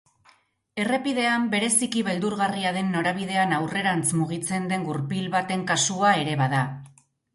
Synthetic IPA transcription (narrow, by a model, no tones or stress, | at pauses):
e̞re̞piðe̞ambe̞ɾe̞sikiβe̞ld̪uɾɣariaðe̞nːo̞ɾaβ̞ið̞e̞anawre̞ɾant͡smuɣ̞it͡se̞nd̪e̞ŋɡuɾpilβat̪e̞ŋkasuae̞ɾe̞βaða